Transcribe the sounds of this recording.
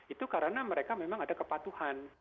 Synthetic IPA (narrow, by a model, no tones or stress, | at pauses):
it̪ukaɾənaməɾekamemaŋadakəpat̪uhan